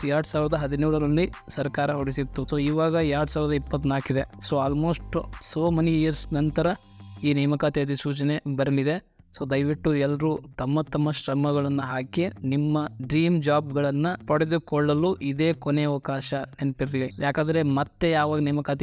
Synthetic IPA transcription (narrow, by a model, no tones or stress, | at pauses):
jaːɽusaːʋiɾɐd̪ɐɦɐd̪inuːɽɐɾɐlːi | sɐɾkaːɾɐɦoɽisit̪ːusoːiːʋaːɡɐaːɽusaːʋiɾɐd̪ɐipːɐt̪ːnaːkid̪e̞soːaːlmo̞ːsʈsoːmɐnijɐɾsnɐnt̪ɐɾɐ | iːnɛːmɐkaːt̪eɐd̪isuːt͡ʃɐne̞bɐɾɐlid̪e̞ | soːd̪ɐjʋiʈːuɛlːɐɾut̪ɐmːɐt̪ɐmːɐʃɾɐmɐɡɐɭɐnːɐɦaːkenimːɐɖɾiːmd͡ʒaːb̚ɡɐɭɐnːɐpɐɽed̪ukɔɭːɐluʔid̪e̞ːkoneɐʋɐkaːʃɐnenpiɾilijaːkand̪ɐɾe̞mɐt̪ːe̞jaːʋaːɡɐnɛːmɐkaːt̪i